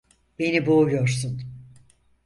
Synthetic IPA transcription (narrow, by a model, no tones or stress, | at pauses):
b̥e̞nibuːjo̞ɾsun